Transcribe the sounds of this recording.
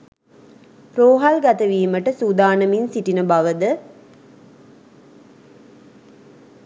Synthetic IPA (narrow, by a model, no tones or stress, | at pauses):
ɾoːɦalɡæt̪əʋiːməʈəsud̪aːnəminsiʈinəbɐʋəd̪ə